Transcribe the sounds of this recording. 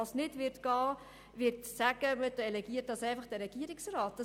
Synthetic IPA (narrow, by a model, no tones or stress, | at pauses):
ɑsnɪtʋɪɾtɡ̥ɑː | ʋɪɾtsæɡ̥əməd̥əɛlɛɡiət̚dɑsɛɪfɑχd̥ɛɾɛɡ̥iəɾɪksraːt̚d̥ɑ